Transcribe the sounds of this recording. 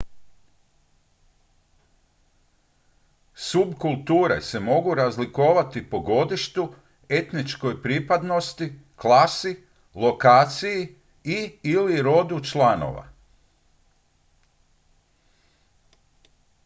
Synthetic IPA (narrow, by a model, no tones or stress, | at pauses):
subkulˠt̪uːɾḛse̞mo̞ɡuɾazlikoːʋat̪ipo̞ɡo̞d̪iʃt̪u | e̞t̪nit͡ʃko̞jpɾipad̪no̞st̪i | klasi | lˠo̞kaːt̪siji | iːliɾo̞d̪ut͡ʃlano̰ʋa̰